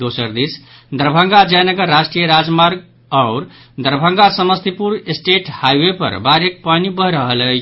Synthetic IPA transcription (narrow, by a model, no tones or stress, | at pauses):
d̪osəɾd̪is | d̪əɾbʱə̃ŋɡad͡ʒajnəɡəɾːasʈɾijəɾad͡ʒmaɾɡ | aʊɾ | d̪əɾbʱə̃ŋɡasəməst̪ʰipuɾesʈeʈhajwepə̰ɾbaɾek̚panibəɦɾəɦəlɛ